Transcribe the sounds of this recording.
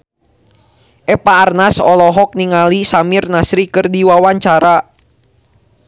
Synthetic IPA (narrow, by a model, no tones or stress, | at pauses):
ʔɛpaːrnasɔlɔɦɔk̚niŋalisamirnasɾikɨrdiwawaɲt͡ʃaɾa